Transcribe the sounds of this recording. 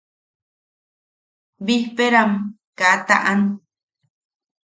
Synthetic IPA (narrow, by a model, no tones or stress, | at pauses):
bihpeɾam | kat̪a̰ʔan